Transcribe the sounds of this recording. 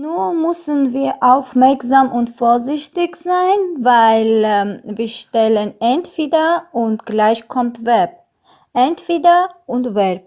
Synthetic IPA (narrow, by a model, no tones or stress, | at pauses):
nuːmʏsənviːɐʔaʊfmɛɐkzaːmʔʊntfoːɐzɪçtɪçz̥aɪnvaɪlviːɐʃtɛlənʔɛntv̥eːdɐʊntɡ̥laɪçkʰɔmtvɛb̚ | ʔɛntv̥eːdɐʊntvɛb̚